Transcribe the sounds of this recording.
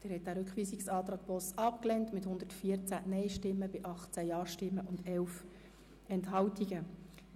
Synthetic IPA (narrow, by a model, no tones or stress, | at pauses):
d̥ɛːɾhɛt̚d̥æːɾʏkχʋiːsiksɑːt̪ɾɑːɡ̥̚pɔsɑpklɛntmɪthʊnd̪̥ətfiəɾt͡sænɛɪʃtɪmːəbɪʔɑχt͡sæjɑːɾʃtɪmːəʔʊndɛlf | ɛnthɑwtiɡə